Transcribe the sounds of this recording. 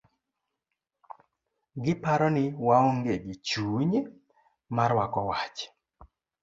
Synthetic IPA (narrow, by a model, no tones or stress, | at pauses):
ɡɪpaɾɔnɪwaŋoŋɡeɡit͡ʃuɲe | maɾwakɔwat͡ʃ